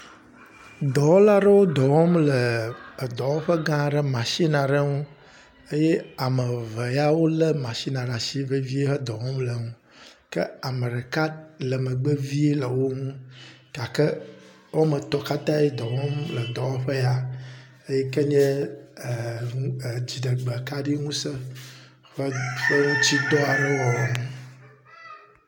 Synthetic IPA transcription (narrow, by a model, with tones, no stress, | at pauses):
d̪ɔ˨wɔ˦la˦ɖə˦wo˦d̪ɔ˨wɔ˦mlə˨d̪ɔ˨wɔ˦ɸə˦ɡã˦˨ɖə˦mã˨ʃi˦nã˨ɖə˦ŋũ˦ | ə˦jɛ˦a˨mə˨və˨ja˦wo˦lə˦mã˨ʃi˦nã˨ɖa˨si˦və˦vi˦e˦ɦə˦d̪ɔ˨wɔ˦mlə˨ŋũ˦ | kə˦a˨mə˨ɖə˨ka˦lə˨mə˨ɡ͡bə˦vi˦e˦lə˨wo˦ŋũ˦ka˨kə˦ | wo˦mə˨t̪ɔ˨ka˦t̪ã˦je˦d̪ɔ˨wɔ̃˦mlə˨d̪ɔ˨a˦ɸə˦ja˨ | e˦jɛ˦kə˦ɲɛ˦˨ | d͡ʑi˨ɖə˨ɡ͡bə˨ka˦ɖi˦ŋũ˦sə˦ | ɸə˦ɸə˦ŋu˦t͡ɕi˦d̪ɔ˦a˨nɛ̃˦wɔ˨ŋũ˦